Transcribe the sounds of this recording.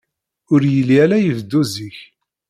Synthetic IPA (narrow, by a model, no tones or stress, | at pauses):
ʊɾjəlːiælæjəvd̪ːuziç